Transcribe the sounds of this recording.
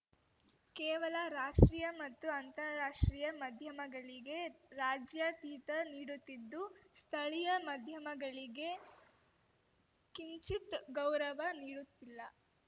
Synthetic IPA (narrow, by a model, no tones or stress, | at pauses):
kɛːʋɐlɐɾaːʂʈɾiːjɐmɐt̪ːuɐnt̪ɐɾaːʂʈɾiːjɐmɐd̪ʱjɐmɐɡɐɭiɡe̞ɾaːd͡ʒjɐt̪iːt̪ɐniːɽut̪ːid̪ːust̪ʰɐɭijɐmɐd̪ʱjɐmɐɡɐɭiɡe̞ | kiɲt͡ʃit̪ɡɐwɾɐʋɐniːɽut̪ːilːɐ